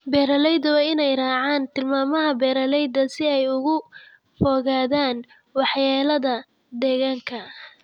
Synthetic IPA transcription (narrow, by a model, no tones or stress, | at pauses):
bɛːɾɐlɛjd̪ɐwɑːɪnɛjrɑːʕaːnt̪ʰɪlmaːmɐɦɐbɛːɾɐlɛjd̪ɐsɪɛjʊɣʊ | fɔːɣaːðaːn | wɑħjaːlɐðɐ | d̪ɛɣaːŋkʰɐ